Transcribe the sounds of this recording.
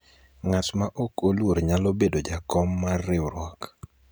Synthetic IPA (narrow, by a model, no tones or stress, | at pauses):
ŋatmaʔokolwoɾɲalobedod͡ʒakɔmːarːɪwɾwɔk